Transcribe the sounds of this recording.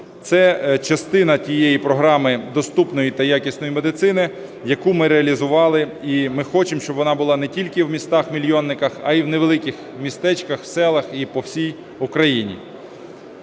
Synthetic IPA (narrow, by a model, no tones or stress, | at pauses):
t̪sɛt͡ʃɐst̪ɪnɐtʲijejipɾɔɦɾɑmɪd̪ɔst̪upnɔjit̪ɐjakʲisʲnɔjimed̪ɪt̪sɪnɪ | jɐkumɪɾeɐlʲizʊʋɑlˠɪimɪxɔt͡ʃɪmʃt͡ʃɔbʋɔnɑbʊlˠɑnɛtʲilʲkɪwmʲist̪ɑxmʲilʲjɔnːɪkɐxɐ̰iwneʋelˠɪkʲɪx | mʲist̪ɛt͡ʃkɐxwsɛlˠɐxipɔwsʲij | ʊkɾɐjinʲḭ